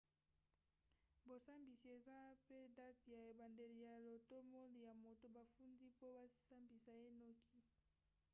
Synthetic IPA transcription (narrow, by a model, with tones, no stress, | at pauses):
bo˨sa˦mbi˨si˨e˨za˦pe˦da˦ti˨ja˨e˨ba˨nde˨li˨ja˨lo˨to˦mo˦li˨ja˨mo˨to˨ba˨fu˦ndi˦po˦ba˦sa˦mbi˨sa˨e˦nɔ˦ki˦